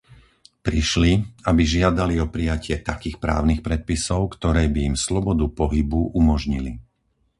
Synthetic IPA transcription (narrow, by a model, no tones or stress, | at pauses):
pɾiʃliabiʒɪad̪aliɔpɾijacɪɛt̪akiːxpɾa̰ːʊnixpɾɛt̪̚pisɔʊkt̪ɔɾɛːbijimslɔbɔd̪upɔɦibuʔumɔʒɲili